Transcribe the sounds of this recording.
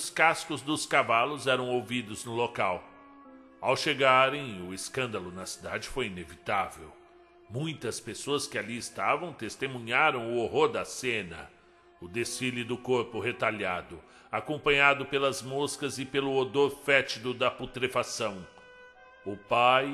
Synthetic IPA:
ʊskaskʊzd̪ʊskavalʊzɛɾɐ̃w̃owvid̪ʊznʊlokaw | awʃeɡaɾẽj̃ʊɪskɐ̃nd̪ɐlʊnɐsid̪ad͡ʒɪfojinevit̪avḛw | mũj̃t̪ɐspesoɐskɪaliɪst̪avɐ̃w̃t̪est̪emũɲaɾɐ̃w̃ʊoɦoɾd̪ɐsẽnɐ̰ | ʊd̪esilɪd̪ʊkoɾpʊɦet̪aʎad̪ʊ | akõpɐ̃ɲad̪ʊpelɐzmoskɐzɪpelʊod̪oɾfɛt͡ʃid̪ʊd̪ɐput̪ɾefasɐ̃w̃ | ʊpaj

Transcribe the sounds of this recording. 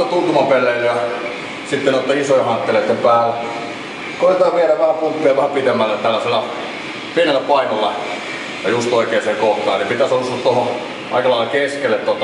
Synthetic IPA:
ot̪unt̪umɑpeleljɑ | sit̪ːenot̪ːɑisojɑhɑnt̪ːeleˑt̪ːempæːl | koˑit̪ˑɑːʋieɾæʋæhæpumpːiɑʋæhæpit̪emːælːet̪ælːæselːæ | pienelːæpɑikolːɑ̰ | jɑjust̪oˑikeːseekoht̪ɑːnipit̪æsousˑuɑt̪t̪oho | ʔɑ̰ikɑlɑˑilɑkeskelːet̪t̪ot̪ː

